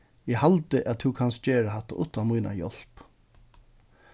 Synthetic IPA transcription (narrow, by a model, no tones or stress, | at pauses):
ɪhalt̪ɪʔatt̪ʰʉkʰanst̪̚d͡ʒeːɹaɦat̪ːa̰ʔʊt̪ːamujna̰jɔ̰l̥p